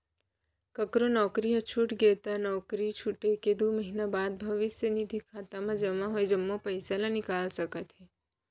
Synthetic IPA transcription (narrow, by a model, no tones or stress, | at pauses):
kəkɾonɔkɾijət͡ʃʰuʈɡet̪anɔkɾit͡ʃʰuʈeked̪ʱuməɦinabad̪̚bʱəʋɪsjənid̪ʱikʰat̪amãd͡ʒəmãɦojd͡ʒəmːopəjsalãnikalsəkat̪ʰi